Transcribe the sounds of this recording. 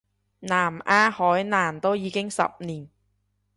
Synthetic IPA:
naː˨˩mʔaː˧hɔː˨˥jnaː˨˩mt̪o˥wjiː˨˧kɪ˥ŋsɐ̰˨p̚niː˨˩n

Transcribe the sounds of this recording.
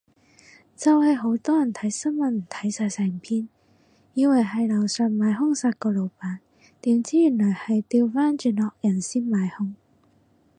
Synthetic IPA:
t͡sɐ˨whɐ˨jɦo˨˥wt̪ɔː˥jɐ˨˩nt̪ʰɐ˨˥jsɐ˥nmɐ˨nm̩˨˩t̪ʰɐ˨˥jsaː˨˧jsɛː˨˩ŋpʰiː˥n | jiː˨˧wɐ˨˩jɦɐ˨jlɐ˨˩wsœː˨˧nmaː˨˧jɦʊ˥ŋsaː˧t̚kɔː˧lo˨˧wpaː˨˥n | t̪iː˨˥mt͡siː˥jy˨˩nlɔː˨˩jhɐ˨jt̪iː˧wfaː˥nt͡ʃyː˨˧nlɔː˨k̚jɐ˨˩nsiː˥nmaː˨˥jhʊ˥ŋ

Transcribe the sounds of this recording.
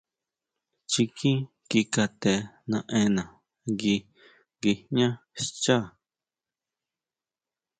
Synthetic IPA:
t͡ʃi˧kʰĩ˦ | ki˧ka˧t̪e˧nã˧ʔẽ˧nã˨ | ŋɡi˧ | ɡi˧ɲã˦ | st͡ʃa˦˨

